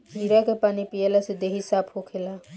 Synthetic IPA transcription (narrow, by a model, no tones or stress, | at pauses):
ɦiɾakepanipijelased̪eɦisapʰhokʰela